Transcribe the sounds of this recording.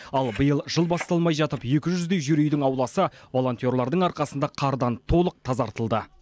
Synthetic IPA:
ɑlˠbəjəlˠʒəlˠbɑst̪ɑlˠmɑjʒɑt̪əpje̞kʲɪʒʏzd̪e̞jʒyɾejd̪ɪŋɑwlˠɑsəvo̞lˠo̞nt̪ʲjo̞ɾlˠɑɾd̪əɴɑɾqɑsənd̪ɑqʰɑɾd̪ɑnt̪ʰo̞lˠəq̚t̪ʰɑzɑɾt̪əlˠd̪ə

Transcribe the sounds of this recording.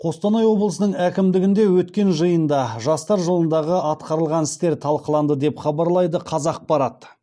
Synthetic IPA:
qʰo̞st̪ɑnɑjwo̞blˠəsənəɴækʲɪmd̪ɪɡʲɪnd̪e̞wɵt̪kʲe̞nʒəjənd̪ɑʒɑst̪ɑɾʒəlˠənd̪ɑʁəʔɑt̪qɑɾəlˠʁɑnɪst̪e̞ɾt̪ʰɑlˠqəlˠɑnd̪əd̪e̞pχɑbɑɾlˠɑjd̪əqʰɑzɑq̚bɑɾɑt̪

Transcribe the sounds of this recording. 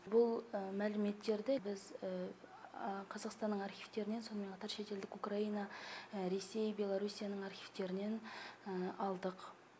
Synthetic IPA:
bʊlˠmælɪme̞t̪ːe̞ɾd̪ɪbɪz | qʰɑzɑqst̪ɑnːəɴɑɾχʲijv̥t̪e̞ɾɪne̞nso̞nəme̞nqʰɑt̪ɑɾʃe̞t̪e̞ld̪ɪkukrainɑɾe̞se̞jbʲe̞lˠaɾusʲijanəɴɑɾχʲijv̥t̪e̞ɾɪne̞nəɑlˠd̪əq

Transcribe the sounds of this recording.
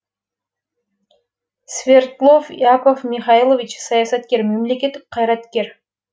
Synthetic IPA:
svʲert̪lˠofjakofmʲiχɑilˠovʲit͡ʃsɑjɑsɑt̪ke̞ɾmemlekʲet̪ːik̚qʰːɑjɾɑt̪kʲe̞ɾ

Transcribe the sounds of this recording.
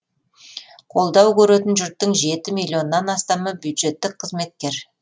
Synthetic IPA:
qʰo̞lˠd̪ɑwkʲʰɵɾe̞t̪ɪnʒʏɾt̪ːəɴʒe̞t̪ɪmilʲˠːio̞nːɑnɑst̪ɑməbjud̪ʒe̞t̪ːɪk̚qʰəzme̞t̪̚kʲe̞ɾ

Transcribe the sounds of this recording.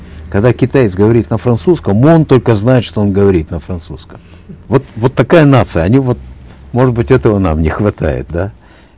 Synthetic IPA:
kɐɡd̪akʲɪt̪ajɪt̪sɡəvɐɾʲit̪nəfɾɐnsuskəmont̪o̞lʲkəznajɪt̪ʂt̪oonɡəvɐɾʲit̪nəfɾɐnt̪suskəm | vo̞t̪vo̞t̪ːɐkajənat̪sɨjəɐnʲivo̞t̪̚mo̞ʐɨt̪bɨtʲɛt̪əvənamnʲɪxvɐt̪a̰jɪ̰t̪̚d̪a

